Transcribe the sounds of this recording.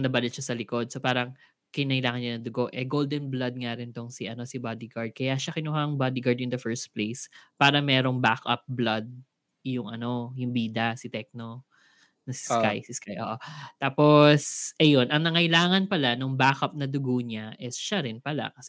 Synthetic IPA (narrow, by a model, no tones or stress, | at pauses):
nɐbɐlɪt̪ʃasɐlɪko̞d̪̚sopaːɾɐŋ | kɪnɐʔɪlaːŋɐnɲanɐd̪ʊɡo̞ʔɛɡold̪ɛnblɐd̪̚ŋaɾɪnt̪oŋsɪʔɐno̞sɪbad̪ɪɡaɹd̪̚kɐjaʃakɪnuɦaŋbad̪ɪɡaɹd̪jʊŋd̪ɐfɛɹst̪̚plejspaːɾɐmɛːɾo̞ŋbakʔɐ̰p̚blɐd̪̚ | jʊŋʔɐno̞jʊŋbiːd̪ɐsɪt̪ɛk̚no | nɐsɪ̥skajsɪskajʔo̰ːʔot̪aːposʔɛjo̞nʔɐŋnɐŋɐʔɪlaːŋɐnpɐlanʊŋbakʔɐp̚nɐd̪ʊɡoɲaʔɛsʃaɾɪnpɐla̰kɐsɛ